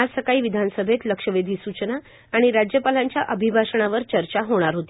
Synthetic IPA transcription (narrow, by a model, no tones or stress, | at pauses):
asəkaiːʋid̪ʱansəbʱet̪ləkʂəʋed̪ʱiːsut͡ɕənaː | ɽ̃iɾad͡ʑjəpalaɲt͡ɕjaʔəbʱibʱasəɳ̃aʋəɾt͡ɕəɾt͡ɕaɦoɽ̃aɾɦot̪i